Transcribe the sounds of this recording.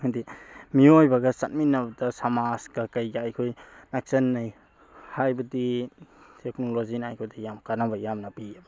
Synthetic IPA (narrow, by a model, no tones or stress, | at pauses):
hadimiojbɐɡɐsat̚minːɐbɐdɐsamasɡɐkɐjɡaːjkʰojnak̚sɐnːaj | hajbɐdi | tʰek̚nolozinaajkʰojdijamkanabɐjamnɐpiabɐ